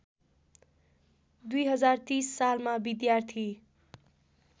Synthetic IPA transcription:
d̪ujɦʌd͡zart̪isːalmabid̪jart̪ʰi

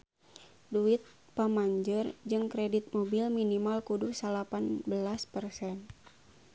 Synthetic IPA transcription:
duɪt̪̚ | pamaɲd͡ʒərd͡ʒɨŋkɾɛdit̪̚mobilminimalkudusalapanbəlaspərsɛn

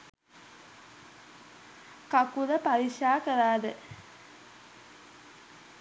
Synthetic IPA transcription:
kakuləpaɾiʃaːkəɾaːd̪ə

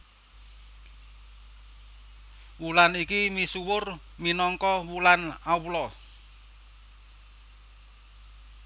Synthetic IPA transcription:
wulanikimisuwʊr | minɔŋkɔwulanawlɔ

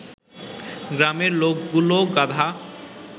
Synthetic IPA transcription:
ɡɾameɾlokɡuloɡad̪ʱa

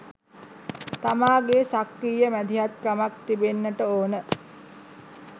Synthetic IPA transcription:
t̪amaːɡesakɾiːjəmæd̪iɦat̪kamakt̪ibenːəʈəoːnə

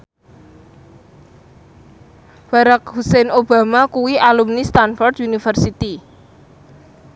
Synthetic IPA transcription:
b̥a̤ɾak̚husɛnʔob̥a̤makuwialumnist̪anfɔrd̪unifərsit̪i

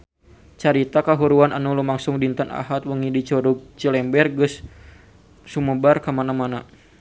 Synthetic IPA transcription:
t͡ʃaɾit̪akaɦuɾuana̰nulumaŋsʊŋdint̪əna̰ɦat̪̚wəŋidit͡ʃɔɾuɡ̚t͡ʃəlɛmbɛrɡːəs | uməbarkamanamana

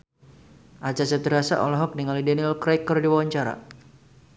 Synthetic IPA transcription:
ʔat͡ʃasət̪əɾasa̰ʔɔ̰lɔɦɔk̚niŋalidɛnilkɾɛkːərdiwawaɲt͡ʃaɾa̰

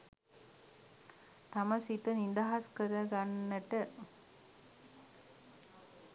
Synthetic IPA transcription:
t̪aməsit̪ənind̪aɦaskəɾəɡanːəʈə

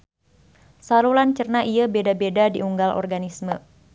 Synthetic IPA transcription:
saɾulant͡ʃərnaʔiabedabedadiʔuŋɡalʔɔ̰rɡanismə

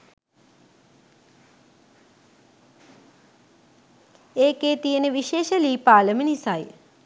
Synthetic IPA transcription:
eːkeːt̪ijənəʋiʃeːʃəliːpaːləmənisaj

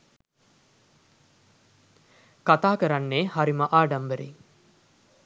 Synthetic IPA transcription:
kat̪aːkəɾanːeːhaɾiməʔaːɖambəɾḭ

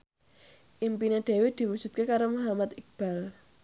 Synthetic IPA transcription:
ʔimpined̪̥e̤wed̪̥i̤wud̥ʒ̥ṳt̪̚kekaɾomuɦamat̪ik̚b̥al

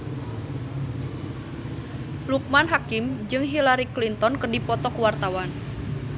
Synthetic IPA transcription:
luk̚manɦakimd͡ʒɨŋɦilaɾiklint̪ɔnkərdipɔt̪ɔkəwart̪awan

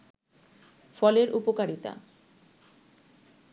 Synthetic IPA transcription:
fɔleɾʔupokaɾit̪a̰

